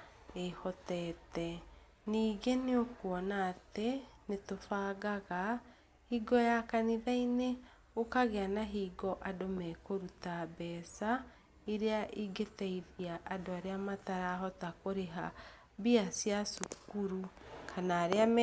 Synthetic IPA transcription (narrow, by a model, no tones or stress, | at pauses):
ehɔtɛtɛ | niːɡeneokuɔnaːtenetofaɣaɣa | hiːɡɔjakaniðaine | okaɣeanaɦiɡɔʔadomɛkoɾutabɛːsa | eɾeaʔiɡetɛiðiaʔadoaɾeamataɾaːɦɔtakoɾeɦa̰ | βiasjasukuɾukʰanaːɾeam